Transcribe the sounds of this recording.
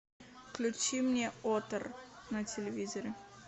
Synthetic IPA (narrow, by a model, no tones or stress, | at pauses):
fklʲʉt͡ɕimnʲeot̪ərnətʲɪlʲɪvʲizəɾʲɪ